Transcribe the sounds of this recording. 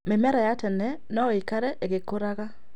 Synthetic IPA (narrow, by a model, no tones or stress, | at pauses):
memɛɾajatɛnɛ | nɔikaɾɛʔeɣekoɾaɣa